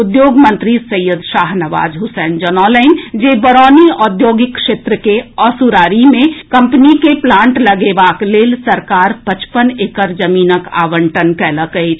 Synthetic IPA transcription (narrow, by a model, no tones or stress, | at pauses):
ʊd̪joːɡmə̃nt̪ɾisəjəd̪ʃaːɦnɐʋa̰ːd͡ʒɦʊsɛːnd͡ʒənɔːləɪnd͡ʒebəɾɔːniɔːd̪joːɡɪkːʃeːt̪ɾəkeɔsuɾaːɾimẽkɐ̃mpnikeplãːɳʈləɡeʋaːkleːlsəɾkaːɾpət͡ʃpəneːkəɾd͡ʒəmiːnəka̰ːʋə̃ɳʈənkɛːləkəi